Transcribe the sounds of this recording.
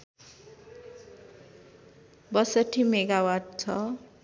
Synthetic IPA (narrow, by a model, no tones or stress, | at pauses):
bʌsʌʈʰimeɡawaɖ̚t͡sʰʌ